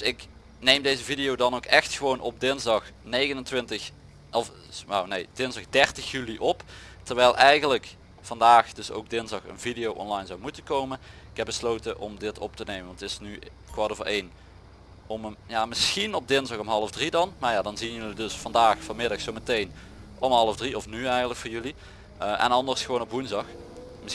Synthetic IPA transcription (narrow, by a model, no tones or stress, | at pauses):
sɪk | nejmdejzəvidijowdɑnowkɛxtxəʋownɔb̚dɪnzdɑxnejɣənəntʋɪntə | ɔf | na̰wnejd̥ɪnzdɑxdɛrtəxjyliʔɔp | təɹʋɛjlˠʔɛjɣənlək | fɑndaːxdɵso̰wɡ̚dɪnzdɑxə̰nvidijowʔɔ̰nlɑjnzɑwmutəkowmənɪkɦɛbəslowtəʔɔmdɪtʰɔ̰p̚tənejməʋɑntɪsny | kʋadovəɹʔejn | ɔməjamɪsxinɔb̚dɪnzdɑxɔmɦɑlˠəvdridɑnmaːɹjadɑnziənjɵlidɵsfɑndaːxfɑnmɪdɑxsowmətejn | ʔɔmɦɑlˠəvdriɔfnyɛjɣənləkfʊːɹjyli | əʔɛ̰nɑndəɹsxəʋoːnɔpʋunzdɑx | mɪ